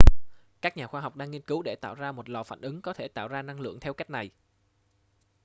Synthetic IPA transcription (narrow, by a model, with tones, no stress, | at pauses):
kaː˦˥k̚ɲaː˨˩xwaː˧ɦa˨˩wk͡p̚ɗaː˧ŋːi˧ənkɨ˨˦wɗe˧˩t̪a̰ː˧˨wzaː˧mo˨˩t̚lɔ̰˨˩fa̰ː˧˨nʔɨ˨˦ŋkɔ˨˦t̪ʰe˧˩t̪a̰ː˧˨wzaː˧na˧ŋlɨ̰˧˨əŋt̪ʰɛ˧wka˦˥jk̚na˨˩j